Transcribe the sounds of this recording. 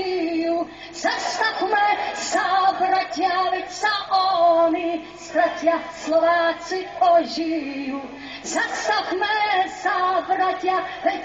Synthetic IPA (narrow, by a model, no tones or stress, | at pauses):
iju | zast̪axmɛzabɾatʲjavɛcsaʔɔni | st̪ɾacʲjaslɔvaːt͡siɔʒiju | zast̪axmɛzabɾatjavɛc